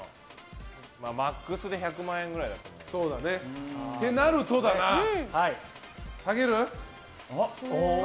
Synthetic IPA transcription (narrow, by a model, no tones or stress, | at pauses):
maːmakːɯsɨd̪e̞çakɯ̟mãːẽ̞ŋɡɯ̟ɾaid̪at̪ːamso̞ːd̪ane̞t̪e̞naɾɯ̟t̪o̞d̪anahai | saɡe̞ɾɯ̟